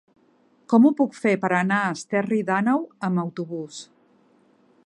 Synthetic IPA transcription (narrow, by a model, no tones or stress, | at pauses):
kɔmupukfepəɾənaəst̪ɛriðanawəməwt̪uβus